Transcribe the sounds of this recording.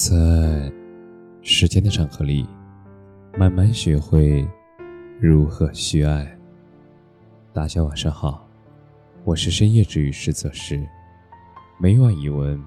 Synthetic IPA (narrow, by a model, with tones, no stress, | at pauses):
t͡sa˥˧ | ʂɻ̩˧˥t͡ɕjɛ˥nd̪ə˨˩ʈ͡ʂʰɑ˧˥˩ŋxɤ˧˥li˥˩ | ma˥˧nma˥˧nɕɛ˧˥xwe˥˩ɪ | ɻu˧˥xɤ˧˩ɕy˥a˥˩ɪ | t̪a˥˩ɕjɑ˥wa˨˩nʂɑ˥ŋxɑ˨˩˦ʊ | wɔ˨˩ʂɻ̩˥˩˧ʂə˥njɛ˥˧ʈ͡ʂɻ̩˥˩y˧˥ʂɻ̩˥˧t͡sɤ˥˩ʂɻ̩˥˩ | me˧˥ɪwwa˥˩ni˨˩wə˧˥n